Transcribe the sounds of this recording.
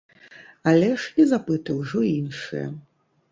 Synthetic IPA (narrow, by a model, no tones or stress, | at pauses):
alʲɛʂizapɨt̪ɨwʐɔinʂɨ̰jɐ̰